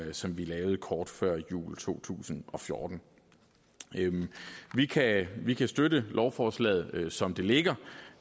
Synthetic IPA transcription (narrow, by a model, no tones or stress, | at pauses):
sɒ̽mʋilɛːʊð̩ˠəkʰɒːd̥fɶɐ̰jṵːlt͡sʰo̝̰ːt͡sʰṵːsn̩ɒ̽fjo̝ːd̥n̩ | ʋikʰæʋikʰæsd̥ødəlʔɒʊfɒːslɛ̰ð̞̩ˠsɒ̽md̥e̝le̝ɡ̥ɐ